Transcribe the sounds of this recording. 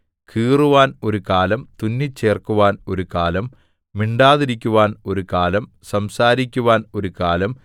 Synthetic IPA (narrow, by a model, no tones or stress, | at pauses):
kʰiːruʋaːno̞ɾukaːlɐmt̪unːit͡ɕːe̞ːrkuʋaːno̞ɾukaːlɐmː | iɳɖaːðiɾikʲːuʋaːno̞ɾukaːlɐm | sɐmsaːɾikʲːuʋaːno̞ɾukaːlɐm